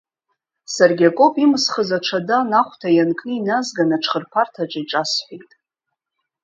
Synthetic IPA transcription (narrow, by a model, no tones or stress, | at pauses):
sarɡʲakʼopʼimɨsχəzaʈ͡ʂʷʰadanaχʷtʰajankʼʰnɨinazɡanaʈ͡ʂʰχərpʰartʰaʈ͡ʂʼaiʈ͡ʂʼasħʷejtʼ